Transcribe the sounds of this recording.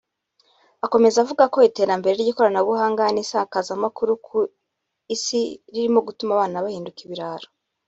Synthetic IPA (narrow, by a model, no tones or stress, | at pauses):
ako̞me̞zavuɡako̞ite̞ːɾambe̞ɾeɾɟiko̞ɾanaβuhaːŋɡanisaːkazamakuɾuku | isiɾiɾimo̞ɡutumaβaːnaβahiːndukiβiɾaɾo